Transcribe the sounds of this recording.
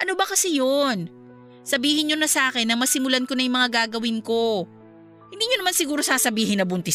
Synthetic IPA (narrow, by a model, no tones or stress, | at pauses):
ʔɐnobɐkɐsɛjon | sɐbiːhɪnɲonɐsɐʔaːkɛnːɐmɐsɪmʊlankonɐjmɐŋaɡaːɡɐwɪnko̞ | hɪ̃nd̪iːɲonɐmansɪɡuːɾo̞saːsɐbiːɦɪnɐbʊnt̪ɪ